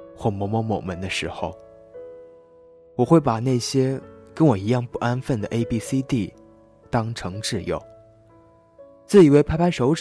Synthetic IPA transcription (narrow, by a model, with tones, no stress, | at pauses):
xwɔ˥˩mɔ˧˥mɔ˥mo̰˨˩ʊmə˧˥nd̪ə˧ʂɻ̩˧˥xo̰˧ʊ | wɔ˨˩xwe˥˩ɪpa˨˩na˥˩ɪɕjɛ˥kə˥nwɔ˨˩i˧˥jɑ˥˧ŋpu˥˩ʔa˥nfə˥˩nd̪ə˩ʔe˥ɪpi˥si˥t̪i˥˩ | t̪ɑ˥ŋʈ͡ʂʰɤ˧˥ŋʈ͡ʂɻ̩˥˩jo̰˨˩ʊ | t͡sɹ̩˥˩i˨˩we˥˩ɪpʰa˥ɪpʰa˥ɪʂo˧˥ʊʈ͡ʂ